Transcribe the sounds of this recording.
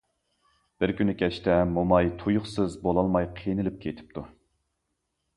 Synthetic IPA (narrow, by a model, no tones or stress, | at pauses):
b̥ɪɾkʲynɪkʲʰɛt͡ʃt̪ɛmomɑjt̪ʰujuχsɨzbolˠɑlˠmɑjqʰinɪlɪp̚kʲʰet̪ʰɪ̥p̚t̪ʰu